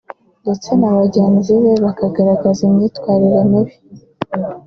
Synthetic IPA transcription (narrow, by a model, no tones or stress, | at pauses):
nde̞t͡se̞naβaɟeːnziβe̞βakaɡaɾaɡazumɲiːtwaːɾiɾeniβi